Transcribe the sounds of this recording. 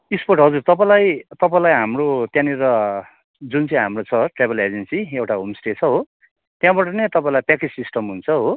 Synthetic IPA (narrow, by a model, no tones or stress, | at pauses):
isporʈɦʌd͡zurt̪ʌpãlajt̪ʌpãlajɦamrot̪jãniɾʌ | d͡zunt͡sʌ̃ɦamrot͡sʰʌʈrebʱʌled͡zensiewʈaɦomsʈet͡sʰʌɦo | t̪jãbaʈʌnet̪ʌpãĩlajpakid͡zsisʈʌmɦunt͡sʰʌɦo